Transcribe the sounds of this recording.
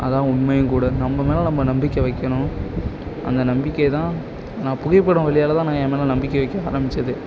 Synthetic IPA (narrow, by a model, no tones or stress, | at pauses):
ʔɐðãːʊnmɐjɯ̃ŋkuːɽɐnɐmːɐmeːlɐnɐmːɐnɐmbɪkːɐʋɐɪkːɐɳʊ̃ | ʔɐ̰nd̪ɐnɐmbɪkːɐjt̪ãː | nãːpʊɣɐɪpːɐɽʊ̃ʋɐɭɪjaːlɐt̪ãːnãːeːmeːlɐ̃nɐmbɪkːɐʋɐɪkːɐ̃aːɾɐmbɪt͡ʃːɐðɯ